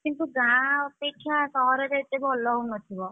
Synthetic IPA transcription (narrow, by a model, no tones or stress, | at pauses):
kint̪uɡãɔpeʈʰjãsɔɾeɾet̪ebʱɔlɔunɔt̪ʰibɔ